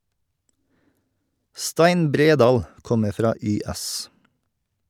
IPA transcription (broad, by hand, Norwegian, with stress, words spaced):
ˈstæɪn ˈbɾeːˌdɑːl ˈkɔməɾ ˈfɾɑː ˈyːˌæs